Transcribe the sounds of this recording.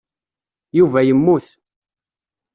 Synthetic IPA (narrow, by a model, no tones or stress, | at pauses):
juvæjəmːuθ